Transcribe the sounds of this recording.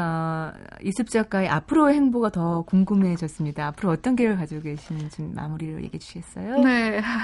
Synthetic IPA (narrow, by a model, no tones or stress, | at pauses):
ʌ | isʰɯp̚t͡ɕ͈ak͈aiʔapʰɯɾoehe̞ŋboɡatʌkoŋɡɯmɦe̞d͡ʑʌs͈ɯmɲidaaːpʰɯɾoʌt͈ʌnɡejɯɭkad͡ʑooɡe̞ɕʰinɯnt͡ɕimːa̰muɾiɾo̰jḛɡiɦd͡ʑu̥ɕʰiɡes͈ʌjone